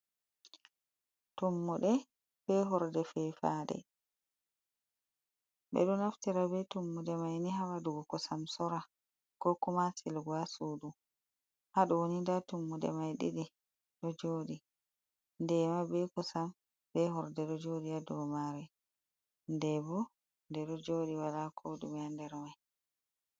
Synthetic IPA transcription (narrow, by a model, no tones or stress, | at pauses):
tumːuɗɛ | b̥ɛɦɔɾdɛfɛfa̰ɗɛ̰ | ɓɛ̰ɗɔnaftiɾabɛtumːuɗɛmajniɦawaduɡɔkɔsamsɔɾa | kɔkumasilɡuasuːdu | haɗɔwonindatumːudɛ̰majɗḭɗi | ɗɔd͡ʒoːɗi | ndɛmabɛkɔsam | bɛɦɔɾdɛɗɔd͡ʒoːɗiadɔmaɾɛ | ndɛbɔ | ndɛɗɔd͡ʒoːɗiwalakʰoɗṵmɛandɛɾmaj